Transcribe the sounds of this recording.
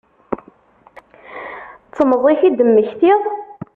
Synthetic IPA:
t͡sːəməðˤiçid̪əmːəçθi

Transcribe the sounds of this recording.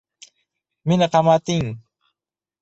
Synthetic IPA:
mɪnaqɑmat̪ɪŋ

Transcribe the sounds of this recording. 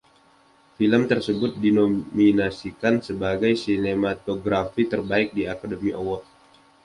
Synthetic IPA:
filəmt̪ərsəbʊt̪̚dinominasikansəbaɡajsinemat̪oɡɾafit̪ərbaɪk̚diakadəmiʔowɔt̪̚

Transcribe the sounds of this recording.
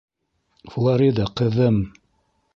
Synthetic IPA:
flˠaɾid̪ɑqɤ̆ðɤm

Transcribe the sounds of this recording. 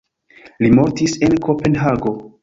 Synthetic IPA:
limo̞ɾtise̞nkʰo̞pe̞nɦaɡo̞

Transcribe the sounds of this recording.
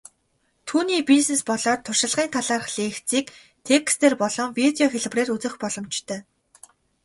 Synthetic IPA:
t̪ʰuːniːpisnespɔɮɔːt̪ʰːʊrʃɪ̆ɮʁiːnt̪ʰaɮaːrχɮeːxt͡siːk | t̪ʰekst̪eːrpɔɮɞ̆ŋwit̪eɔxeɮ̆preːrut͡sɘ̆xpɔɮɞ̆mt͡ɕt̪ʰœː

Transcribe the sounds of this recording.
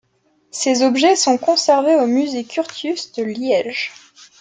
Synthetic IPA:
sezɔbʒɛsɔ̃kɔ̃sɛʁveomyzekʲʰyʁt̪ysd̪əljɛʒ

